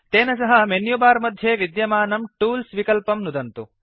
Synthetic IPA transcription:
t̪enɐs̬ɐɦɐmenjubaːɾmɐd̪ʱːjeʋid̪jɐmaːnɐmʈuːlsʋikɐlpɐmnud̪ʱɐnt̪u

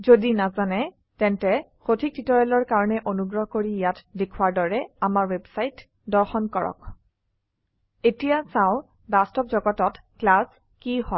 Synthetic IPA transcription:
zodinazanɛ | tɛntɛxotʰik̚titɔɹɛlɔɹkaɹɔnɛʔonuɡɹɔɦɔkoɹijatdekʰwaɹdɔɹɛamaɹwebsajt | dɔɹxɔnkɔɹɔ̰k | etijasãʊ̃ | bastɔpzɔɡɔtɔt | klas | kihɔl

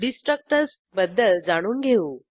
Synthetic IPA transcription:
ɖisʈɾək̚ʈəɾs | bəd̪ːəld͡zaɽ̃uːnɡʱeuː

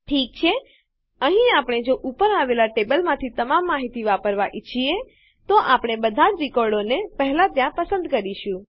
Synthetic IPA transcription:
ʈʰik̚t͡ʃʰe | əɦĩapɽ̃ed͡ʒoʔupəɾaʋelaʈebəlmãt̪ʰit̪əmamːaɦit̪iʋapəɾʋaʔit͡ʃʰie | t̪oʔapɽ̃ebəd̪ʱad͡ʒɾikɔɾɖonepəɦlat̪jãpəsə̃nd̪kəɾiʃũ

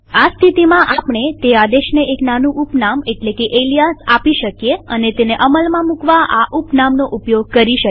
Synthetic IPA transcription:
ast̪ʰit̪imãʔapɳet̪ead̪eʃneʔeknanũʔupnameʈlekeʔelijasapiʃəkjeənet̪eneʔəməlmãmukʋaʔaʔupnamnoʔupjoɡ̚kəɾiʃə

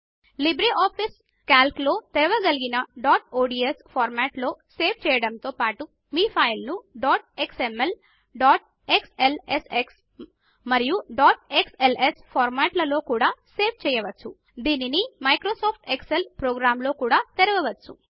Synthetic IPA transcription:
libɾiʔaːpʰis | kaːlklo̞ːt̪ɛɾɐʋɐɡɐliɡinɐɖaːʈoːɖiespʰaːɾmaːʈlo̞ːse̞ːʋt͡ʃɛːjɐɽɐnt̪o̞ːpaːʈu | miːpʰɐjlnuɖaːʈ̚eksemːel | ɖaːʈ̚ | ekseleseks | mɐɾijuɖaːʈekselespʰaːɾmaːʈlɐlo̞ːkuːɽaːse̞ːʋt͡ʃɛːjɐʋɐt͡ʃːu | d̪iːninimɐjkɾoːsaːpʰʈekselpɾoːɡɾaːmlo̞ːkuːɽaːt̪ɛɾɐʋɐʋɐt͡ʃːṵ

